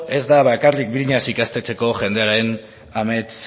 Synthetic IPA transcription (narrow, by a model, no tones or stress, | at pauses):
e̞zd̪aβaekarlik̚biɾiɲasikast̪e̞t͡se̞ko̞ʝe̞nd̪e̞aɾe̞n | ame̞t͡s